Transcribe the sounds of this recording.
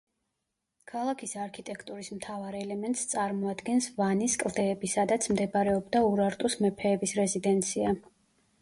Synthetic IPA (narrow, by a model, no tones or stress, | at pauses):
kʰalˠakʰisaɾkʰit̪ʼɛkʰt̪ʼuɾismt̪ʰavaɾɛlɛmɛnt̪ʼst̪sʼaɾmɔad̪ɡɛnsvaniskʼlˠd̪ɛːbisad̪at̪sʰmd̪ɛbɾɛɔbd̪auɾaɾt̪ʼusmɛpʰɛːbisɾɛzid̪ɛnt̪sʰia